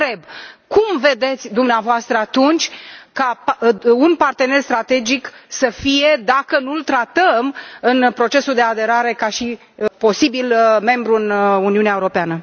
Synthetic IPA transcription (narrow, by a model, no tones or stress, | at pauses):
t̪ɾe̞bkumve̞d̪e̞t̪sʲd̪umneavoast̪ɾəat̪unt͡ʃʲka | unpart̪e̞ne̞rst̪ɾat̪e̞d͡ʒiksəfije̞d̪akənult̪ɾat̪əmɨnpɾo̞t͡ʃe̞suld̪e̞ad̪e̞ɾaɾe̞kaʃi | po̞sibilme̞mbɾuɨnuniuneaeuɾo̞peanə